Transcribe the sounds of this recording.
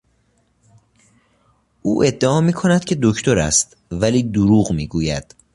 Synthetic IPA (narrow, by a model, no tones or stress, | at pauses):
ʔuːʔe̞d̪ːeɒːmiːkʰonæd̪̥cʰe̞d̪okʰt̪ʰo̞ɾæ̰st̪ | væliːd̪uɾuːɣmiːɡuːjæd̪̥